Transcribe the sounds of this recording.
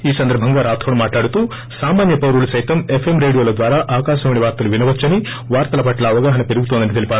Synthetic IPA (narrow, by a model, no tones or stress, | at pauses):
iːsɐnd̪ɐɾbʱɐŋɡaːɾaːt̪ʰʋɐɳumaːʈlaːɽut̪uː | saːmaːnjɐpɐwɾulusɐjt̪ɐmepʰemɾe̞ːɽijo̞ːlɐd̪ʋaːɾaːʔaːkaːʃɐmɐɳiʋaːɾt̪ɐluʋinɐʋɐt͡ʃːɐni | ʋaːɾt̪ɐlɐpɐʈlɐːʋɐɡaːɦɐnɐpe̞ɾuɡut̪ond̪ɐnit̪elipaː